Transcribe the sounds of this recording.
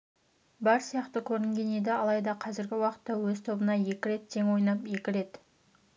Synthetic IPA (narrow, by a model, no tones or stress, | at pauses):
bɑɾsijɑqt̪əkʲʰɵɾɪŋɡʲe̞ne̞d̪ɪɑlˠɑjd̪ɑqʰɑzɪɾɡʲɪwɑqə̥t̪ːɑwɵzt̪ʰo̞bənɑje̞kʲɪɾe̞t̪ːʰe̞ŋwo̞jnɑpje̞kʲɪɾe̞t̪